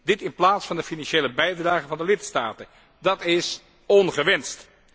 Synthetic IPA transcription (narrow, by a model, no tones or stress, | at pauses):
dɪtɪnplaːtsfɑndəfinɑnʃeːləbɛjdraːχəvɑndəlɪtstaːtə | dɑtɪs | ɔnχəʋɛnst